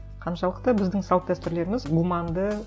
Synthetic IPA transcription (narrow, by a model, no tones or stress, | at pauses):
qʰɑnʃɑlˠəq̚t̪ɑbɪzd̪ɪŋsɑlˠq̚t̪æst̪ɪɾle̞ɾɪmɪzɡumɑnd̪ə